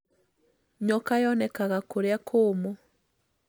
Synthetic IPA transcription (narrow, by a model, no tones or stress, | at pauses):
ɲɔkajɔnɛkaɣakoɾeakʰoːmɔ